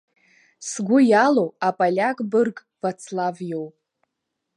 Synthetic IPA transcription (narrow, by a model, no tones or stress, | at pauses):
sɡʷʊjalowapʼalʲakʼbɨrkʼ | vat͡sʰlavjowpʼ